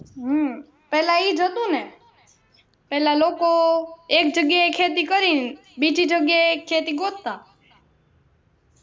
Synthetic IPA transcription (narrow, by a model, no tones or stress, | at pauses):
ɦ | pɛɦlãiːd͡ʒʱət̪ũne | pɛɦlaloːkoek̚d͡ʒəɡjaekʰet̪̬ikəɾin | bid͡ʒʱid͡ʒəɡjaekʰːet̪iɡot̪ːa